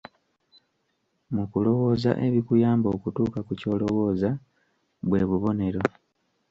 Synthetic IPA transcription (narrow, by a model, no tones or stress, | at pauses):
mukulo̞wo̞ːza̰ʔe̞βikujaːmbo̞ːkutuːkakuco̞ːlo̞wo̞ːza | βwe̞ːβuβo̞ne̞ɾo̞